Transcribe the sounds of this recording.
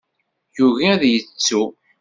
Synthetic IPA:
juʝiðjət͡sːu

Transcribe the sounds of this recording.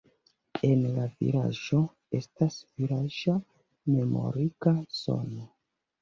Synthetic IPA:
e̞nlavḭɾa̰ʒo̞ | estasviɾaʒa | me̞mo̞̰ɾikaso̰no

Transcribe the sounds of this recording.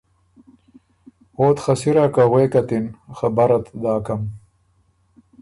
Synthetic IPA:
oːt̪xasiɾakaɣweːkat̪inxabaɾat̪d̪aːkam

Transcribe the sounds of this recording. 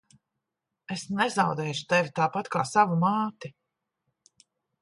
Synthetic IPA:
esnɛzawd̪ɛːʃu̥t̪ɛvʲit̪aːpat̪kaːsavumaːt̪i

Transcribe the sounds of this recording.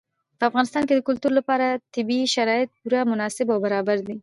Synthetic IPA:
pəafɣɑnɪst̪ɑnked̪əkʊlt̪uɾolapɑɾat̪ɪbiʃaɾɑɪt̪̚puɾamʊnɑsɪbawbaɾɑbaɾd̪i

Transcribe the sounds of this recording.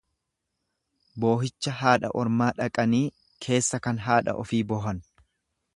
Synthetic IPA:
bo̞ːɦɪt͡ʃːɐɦaːᶑɐ̰ʔɔɾmaːᶑɐkʼɐniː | kʰe̞ːsːɐkɐnɦaːᶑɐ̰ʔɔfiːbɔɦɐn

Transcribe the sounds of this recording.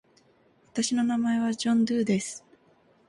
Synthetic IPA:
βat̪aɕino̞namae̞βad͡ʑõ̞nd̪ɯːd̪e̞sɨ̥

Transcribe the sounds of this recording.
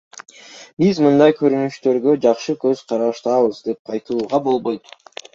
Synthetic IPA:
bizmɯnd̪ɑjkʰø̞ɾynyʃt̪ø̞ɾɡød͡ʒɑqʃɯkø̞z̥qʰɑɾɑʃt̪ɑβɯzd̪e̞p̚qʰɑjt̪ɯlˠuːʁɑbo̞lˠbo̞jt̪

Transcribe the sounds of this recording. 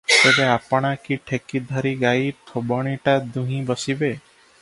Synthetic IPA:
t̪ebeapɽ̃ãkiʈʰekid̪ʱəɾiɡait̪ʰobɔɽ̃iʈad̪ũɦĩbəsibe

